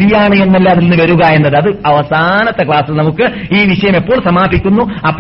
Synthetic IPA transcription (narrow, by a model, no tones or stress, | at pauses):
ɾijaːɳɨe̞nːɐlːaːðilnːɨʋɐɾuɣɐe̞nːɐðɨɐðɨɐʋɐsaːnɐt̪ːɐkɭaːsɐlnɐmukːɨiːʋiɕɐjɐme̞pːo̞ːɭsɐmaːbʱikʲːunːuɐpː